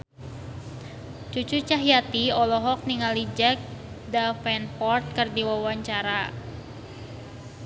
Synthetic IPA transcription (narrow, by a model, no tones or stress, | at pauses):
t͡ʃut͡ʃut͡ʃaɦjat̪iɔlɔɦɔk̚niŋalid͡ʒɛk̚ | dafɛnfɔrt̪̚kɨrdiwawaɲt͡ʃaɾa